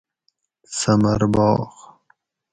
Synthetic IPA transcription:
sɐmɐɾbɑːx

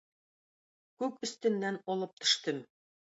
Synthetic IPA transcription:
kʉkɵ̆st̪ɘ̆nːænɒlˠɤp̚t̪ʰɵ̥̆ʃt̪ɘm

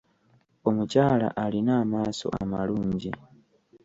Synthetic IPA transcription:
omut͡ʃala̰ʔalinaːmasɔ̰ʔa̰maluːɲd͡ʒi

